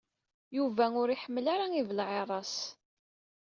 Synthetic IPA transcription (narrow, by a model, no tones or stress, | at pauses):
juvæʊɾiħəmːəlaɾaivəlʕeɾˤɑs